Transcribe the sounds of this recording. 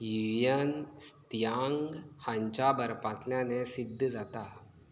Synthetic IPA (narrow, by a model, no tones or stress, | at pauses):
jiujənst̪jaːŋɡhãɲt͡ʃabəɾpat̪ljãnesɪd̪ʱːzaːt̪a